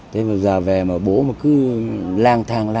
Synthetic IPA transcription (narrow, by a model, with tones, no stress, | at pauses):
t̪ʰe˨˦maː˨˩zaː˨˩vɛ˨˩maː˨˩ɓo̰˧˦mo˨˩t̚kɨ˨˦laː˧˩ŋt̪ʰaː˨˩ŋla˧